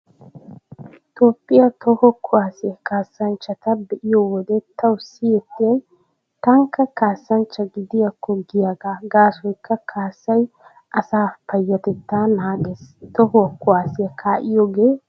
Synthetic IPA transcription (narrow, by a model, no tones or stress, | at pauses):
t̪oːpʼːɪjɐt̪ʰɔhɔkʰʊwaːsɪjɐkaːsːɐnt͡ʃːɐt̪ɐbɛʔɪjɔwɔd̪ɛt̪ɐwsɪjɛt̪ːɪjɐj | t̪ɐŋkːɐkaːsːɐnt͡ʃːɐɡɪd̪ɪjɐkːɔɡɪjaɡaːɡaːsɔjkːɐkʰaːsːɐj | ʔɐsaːpɐjːɐt̪ɛt̪ːaːnaːɡɛst̪ɔhʊwɐkːʊwaːsɪjɐkʰaːʔɪjɔɡeː